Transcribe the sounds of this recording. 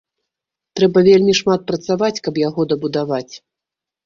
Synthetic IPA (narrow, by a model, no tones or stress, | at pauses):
t̪ɾɛbɐvʲelʲmʲiʂmat̪̚pɾɐt̪savat͡sʲkɐpjaɣɔd̪ɐbud̪avat͡sʲ